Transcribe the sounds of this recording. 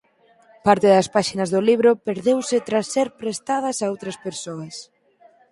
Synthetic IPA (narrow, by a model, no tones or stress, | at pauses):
paɾt̪eðɐspaʃinɐzðoliβ̞ɾopeɾðewsɪt̪ɾasːeɾpɾest̪að̞ɐsaowt̪ɾɐspeɾsoɐs